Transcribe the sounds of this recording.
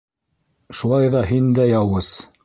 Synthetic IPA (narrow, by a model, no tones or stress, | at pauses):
ʃulˠɑjðɑɦind̪æjɑwɤz̥